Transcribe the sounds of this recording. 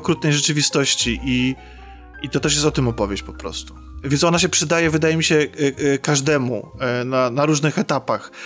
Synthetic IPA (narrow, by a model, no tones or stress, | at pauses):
kɾut̪̚nɛjʐɛt͡ʂɘvʲist̪ɔɕt͡ɕiʔi | it̪ɔt̪ɛʂ̬jɛst̪ɔt̪ɘmɔpɔvʲjeɕt͡ɕpɔ̥pɾɔ̰st̪u̥ | vʲɛnsɔnaɕ̬ɛpʂɘd̪ajɛvɘd̪ajɛmʲiɕɛkaʐd̪ɛmunanaɾuʐnɘxɛt̪apax